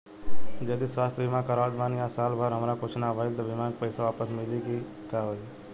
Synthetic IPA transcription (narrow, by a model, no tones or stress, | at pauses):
d͡ʒəːd̪isʋaːst̪ʰbʱimãkəɾaːd̪maːnjasaːlbʱəɾɦəmɾakot͡ʃʰnabʱəɪlt̪obʱimakpəɪsaʋaːpəsmɪliki | kaɦoi